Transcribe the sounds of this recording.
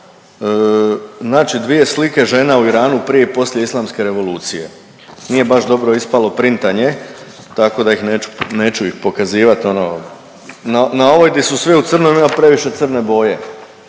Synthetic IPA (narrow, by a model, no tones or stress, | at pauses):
znaːt͡ʃid̪ʋije̞slike̞ʒe̞nauiɾaːnupɾije̞ipo̞slje̞islˠamske̞ɾe̞ʋo̞lˠuːt̪sije̞̰ | nije̞baʃd̪o̞bɾo̞ispalo̞pɾint̪aɲe̞ | t̪ako̞d̪aixneːu̥neːt͡ɕuixpo̞kaziːʋat̪o̞no̰ | nanao̞ʋo̞jd̪esusʋiut̪sr̩nomimapɾe̞ʋiʃe̞t̪sɨr̩ne̞bo̞ːje̞